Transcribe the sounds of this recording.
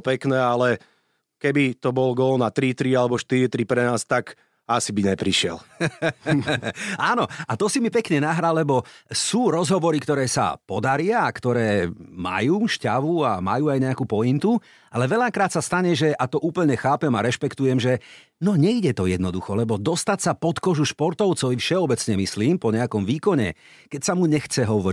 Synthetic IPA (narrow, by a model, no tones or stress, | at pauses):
pɛknɛːalɛ | kɛbit̪ɔbɔlɡɔlɔnat̪ɾit̪ɾialɛbɔʃt̪iɾit̪ɾipɾɛnaːst̪ak | asibiɲɛpɾiʃɪɛ̰l | aːnɔat̪ɔsimipɛkɲɛnaɦɾalːɛbɔsuːɾɔzɦɔʋɔɾikt̪ɔɾɛːsa̰pɔd̪aɾɪaːkt̪ɔɾɛːma̰juːʃcaʋuama̰juːajɲɛakupɔjint̪u | alɛʋɛʎakɾaːt̪sast̪aɲɛʒɛʔat̪ɔʔuːpl̩ɲɛxaːpɛmaɾɛʃpɛkt̪ujɛmʒɛ | nɔɲɛiɟɛt̪ɔjɛd̪nɔd̪uxɔlɛbɔd̪ɔst̪acsapɔt̪kɔʒuʃpɔɾt̪ɔʊt͡sɔfʃɛɔbɛt͡sɲɛmisliːmpɔɲɛakɔmʋiːkɔɲɛ̰ | kɛcsamuɲɛxt͡sɛɦɔʋɔɾi